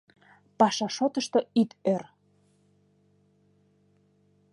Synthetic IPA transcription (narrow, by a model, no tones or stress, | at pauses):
pɑʃɑʃot̪əʃt̪ɤ̆it̪ør